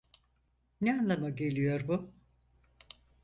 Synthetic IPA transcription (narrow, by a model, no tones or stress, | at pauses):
nɛanlˠamaɟe̞lʲijo̞ɾbu